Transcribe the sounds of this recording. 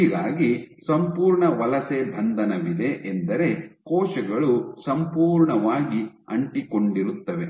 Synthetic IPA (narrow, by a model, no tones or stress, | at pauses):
iːɡaːɡisɐmpuːɾɳɐʋɐlɐsebʱɐnd̪ʱɐnɐʋid̪e̞ʔend̪ɐɾe̞kɔːʃɐɡɐɭusɐmpuːɾɳɐʋaːɡiɐ̰ɳʈiko̞ɳɖiɾut̪ːɐʋe̞